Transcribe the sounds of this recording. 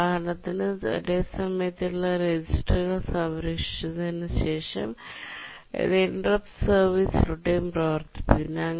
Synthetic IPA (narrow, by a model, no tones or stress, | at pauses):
aːɐnɐt̪ːinɨḛdeːsɐmɐjɐt̪ːiuɭːɐɾed͡ʑisʈɐɣɐɭsɐʋɾikʂi̥t͡ɕunenːɨɕe̞ːʂɐ̰m | ḛðenɖrɐpsɐrʋiːsluɽejumproːʋɐrt̪ːi̥pːɐinːɐŋ